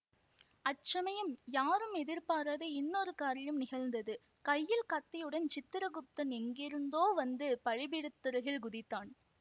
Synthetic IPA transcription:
ɐt͡ʃːɐmɐjɯmjaːɾɯmɛðɪɾpaːɾaðɐɪnːoːɾɯkaːɾɐjɯmnɪɣɐɻnd̪ɐðɯ | kɐjːɪlkɐt̪ːɐjɯɽɐnt͡ʃɪt̪ːɯɾɐɣʊp̚t̪ɐnɛŋɡɪɾɯnd̪oːʋɐnd̪ɯpɐɻɪbɪɽɯt̪ːɯɾɐɣɪɭɡʊðɪt̪ːaːn

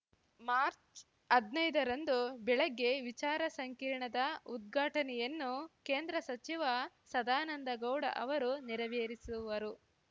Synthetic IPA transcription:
maːɾt͡ʃ | ɐd̪nɐjd̪ɐɾɐnd̪ubɛɭɐɡːe̞ʋit͡ʃaːɾɐsɐŋkiːɾɳɐd̪ɐud̪̚ɡʱaːʈɐnɛjɐnːuke̞ːnd̪ɾɐsɐt͡ʃiʋɐ | sɐd̪aːnɐnd̪ɐɡɐwɽɐ̰ʔɐʋɐɾuniɾɐʋeːɾisuʋɐɾu

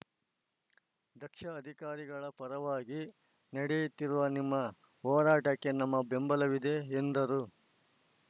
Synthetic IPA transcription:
d̪ɐkʂɐːd̪ʱikaːɾiɡɐɭɐpɐɾɐʋaːɡi | nɐɽejit̪ːiɾuʋɐnimːɐ | ɦɔːɾaːʈɐkːe̞nɐmːɐbe̞mbɐlɐʋid̪e̞ːnd̪ɐɾu

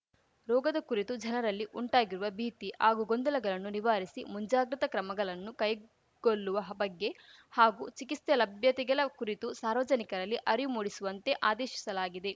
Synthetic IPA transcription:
ɾɔːɡɐd̪ɐkuɾit̪ud͡ʒɐnɐɾɐlːiʔuɳʈaːɡiɾuʋɐbʱiːt̪ihaːɡuɡond̪ɐlɐɡɐɭɐnːuniʋaːɾisimuɲd͡ʒaːɡɾɐt̪ɐkɾɐmɐɡɐɭɐnːukɐj | ɡ̥oɭːuʋɐɦɐbɐɡːe̞haːɡuːt͡ʃikist̪ɐlɐbʱjɐt̪iɡɐlɐkuɾit̪usaːɾʋɐd͡ʒɐnikɐɾɐlːiʔɐɾijumuːɽisuʋɐnt̪e̞ʔaːd̪ɛːʃi̥sɐlaːɡid̪e̞

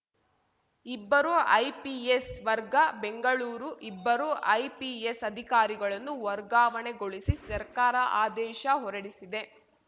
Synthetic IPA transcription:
ibːɐɾoʔɐjpiesʋɐɾɡɐbe̞ŋɡɐɭuːɾuʔibːɐɾoʔɐjpiesɐd̪ʱikaːɾiɡɐɭɐnːuʋɐɾɡaːʋɐɳe̞ɡo̞ɭisisɐɾkaːɾɐʔaːd̪ɛːʃɐɦɔɾɐɽisid̪e̞

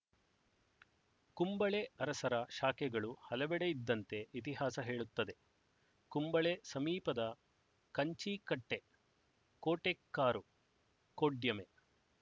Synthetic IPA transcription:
kumbɐɭe̞ɐɾɐsɐɾɐʃaːkɛɡɐɭuhɐlɐʋɛɽe̞id̪ːɐnt̪e̞it̪iɦaːsɐɦe̞ːɭut̪ːɐd̪e̞ | kumbɐɭe̞sɐmiːpɐd̪ɐ | kɐɲt͡ʃikɐʈːe̞ | koːʈekːaːɾu | koːɖjɐme̞

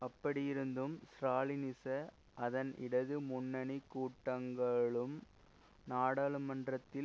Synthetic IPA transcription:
ɐpːɐɽɪjɪɾɯnd̪ɯmsɾaːlɪnɪsɐ | ʔɐðɐnʔɪ̰ɽɐðɯmʊnːɐɳikːuːʈːɐŋɡɐɭɯm | naːɽaːɭɯmɐndrɐt̪ːɪ

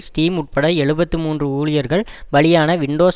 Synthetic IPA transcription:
sʈiːmʊʈ̚pɐɽɐɛɻɯbɐt̪ːɯmuːndrɯuːɭɪjɐɾɣɐɭʋɐɭɪjaːnɐʋɪɳɖoːs

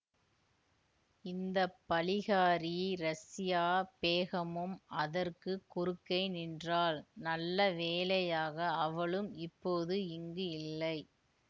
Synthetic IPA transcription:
ɪnd̪ɐpːɐlɪɣaːɾiɾɐsɪjaːpeːɣɐmɯmʔɐðɐrkɯkːʊɾɯkːɐɪnɪndraːlnɐlːɐʋeːlɐjaːɣɐɐʋɐɭɯmɪpːoːðɯɪŋɡɯɪlːɐɪ

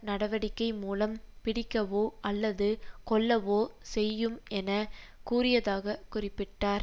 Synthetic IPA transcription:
nɐɽɐʋɐɽɪkːɐɪmuːlɐmpɪɽɪkːɐʋoːʔɐlːɐðɯkɔɭːɐʋoːsɛjːɯmɛnɐkuːrɪjɐðaːɣɐkʊrɪpːɪʈːaːɾ

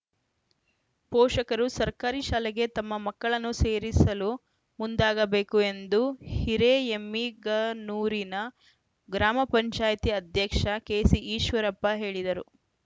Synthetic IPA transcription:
pɔːʂɐkɐɾusɐɾkaːɾiʃaːleɡe̞t̪ɐmːɐmɐkːɐɭɐnːuse̞ːɾisɐlu | mund̪aːɡɐbe̞ːkue̞nd̪uhiɾeemːiɡɐnuːɾinɐ | ɡɾaːmɐpɐɲt͡ʃaːjt̪iɐd̪ʱjɐkʂɐkeːsiʔiːʃʋɐɾɐpːɐɦe̞ːɭid̪ɐɾu

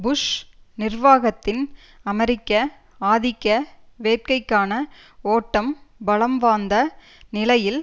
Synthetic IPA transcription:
bʊʂnɪrʋaːɣɐt̪ːɪn | ɐmɛɾɪkːɐ | aːðɪkːɐʋeːʈ̚kɐɪkːaːnɐ | oːʈːɐmbɐlɐmʋaːnd̪ɐ | nɪlɐjɪl

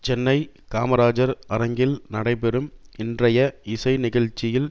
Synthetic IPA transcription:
t͡ʃɛnːɐɪ | kaːmɐɾaːd͡ʒɐɾɐɾɐŋɡɪlnɐɽɐɪp̬ɛɾɯmɪndrɐjɐɪsɐɪnɪɣɐɻt͡ʃːɪjɪl

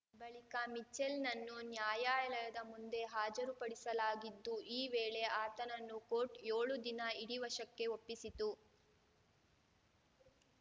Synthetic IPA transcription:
bɐɭikɐmit͡ʃːelnɐnːunjaːjaːjɐlɐɐd̪ɐmund̪e̞ɦaːd͡ʒɐɾupɐɽisɐlaːɡid̪ːuʔiːʋeːɭe̞aːt̪ɐnɐnːukoːʈjoːɭud̪inɐiɽiʋɐʂɐkːe̞opːisit̪u

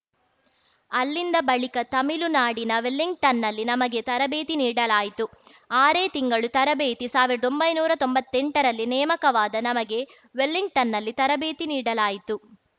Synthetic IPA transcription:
ɐlːind̪ɐbɐɭikɐt̪ɐmilunaːɽinɐʋelːiŋɡ̚ʈɐnːɐlːinɐmɐɡe̞t̪ɐɾɐbeːt̪iniːɽɐlaːjit̪u | aːɾeːt̪iŋɡɐɭut̪ɐɾɐbeːt̪isaːʋiɾɐd̪o̞mbɐjnuːɾɐt̪o̞mbɐt̪ːeɳʈɐɾɐlːinɛːmɐkɐʋaːd̪ɐnɐmɐɡe̞ | ʋe̞lːiŋɡ̚ʈɐnːɐlːit̪ɐɾɐbeːt̪iniːɽɐlaːjit̪u

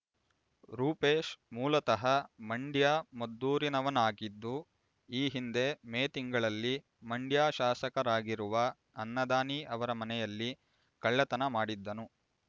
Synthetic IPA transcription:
ɾuːpeːʃmuːlɐt̪ɐɦɐmɐɳɖjaːmɐd̪ːuːɾinɐʋɐnaːɡid̪ːu | iːɦind̪e̞meːt̪iŋɡɐɭɐlːi | mɐɳɖjaːʃaːsɐkɐɾaːɡiɾuʋɐ | ɐnːɐd̪aːniʔɐʋɐɾɐmɐnɛjɐlːi | kɐɭːɐt̪ɐnɐmaːɽid̪ːɐnu

